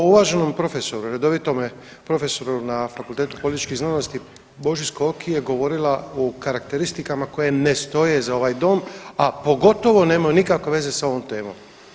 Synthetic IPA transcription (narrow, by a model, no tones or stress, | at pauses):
uʋaːʒe̞no̞mpɾo̞fe̞so̞ɾuɾed̪o̞ʋit̪o̞me | pɾo̞fe̞so̞ɾunafakulˠt̪eːt̪u̥polit̪i̥t͡ʃkiznaːnost̪i | bo̞ʒiskookijeɡo̞ʋo̞ɾilaokaɾak̚t̪eɾist̪ikamako̞je̞nest̪o̞je̞zao̞ʋaːjd̪o̞ːmapo̞ɡo̞t̪o̞ʋo̞ne̞ːmajonikakʋe̞ʋe̞ze̞sao̞ʋo̞mt̪e̞ːmo̰m